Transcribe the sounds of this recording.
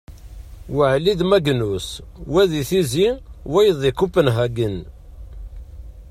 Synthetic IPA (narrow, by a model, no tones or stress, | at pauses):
wəʕliðmæɡnuswæðiθiziwæjəðˤikupːənɦæɡən